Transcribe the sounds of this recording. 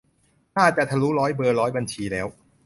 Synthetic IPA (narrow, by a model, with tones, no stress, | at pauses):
naː˥˩t͡ɕa˨˩t̪ʰa˧˩luː˦˥ɾɔː˦˥jbɤː˧ɾɔː˦˥jba˧nt͡ɕʰiː˧lɛː˦˥w